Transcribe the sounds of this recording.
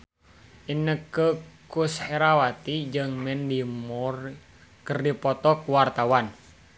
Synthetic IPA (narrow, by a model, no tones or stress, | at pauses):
ʔinəkəkusheɾawat̪id͡ʒɨŋmɛndimur | kərdipɔt̪ɔkuwart̪awan